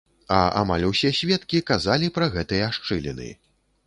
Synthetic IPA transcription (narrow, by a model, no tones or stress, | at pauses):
ɐa̰malʲusʲɛsʲvʲɛt̪kʲikazalʲipɾɐɣɛt̪ɨjɐaʂt͡ʂɨlʲɛ̰nɨ̰